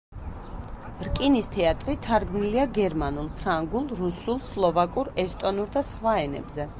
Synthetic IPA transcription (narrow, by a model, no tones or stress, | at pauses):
ɾkʼinist̪ʰɛat̪ʼɾit̪ʰaɾɡmniliaɡɛɾmanulˠpʰɾaŋɡulˠɾusulˠslˠɔvakʼuɾɛst̪ʼɔnuɾd̪asχwaɛnɛ̰bzɛ